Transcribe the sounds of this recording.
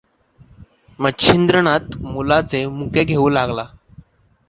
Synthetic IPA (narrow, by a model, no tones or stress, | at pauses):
mətɕʰind̪ɾəɳ̃at̪mulat͡semukeɡʱeũlaɡla